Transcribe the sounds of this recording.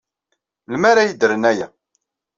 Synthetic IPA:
lmæɾajid̪ɾənæjæ

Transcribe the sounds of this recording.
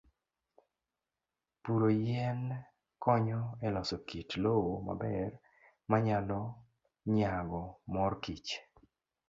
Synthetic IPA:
puɾojɛn | kɔɲɔɛlɔsɔkitlowoma̰bɛr | maɲalɔ | ɲaɡɔmɔrkit͡ʃ

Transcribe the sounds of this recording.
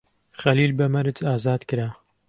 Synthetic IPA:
χɐliːlbɐmɐɾɨt͡ʃaːzaːd̪kɨɾaː

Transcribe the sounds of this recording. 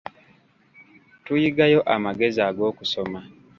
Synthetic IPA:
tujiɡajo̞ʔamaɡe̞ziaɡo̞ːkuso̞ma

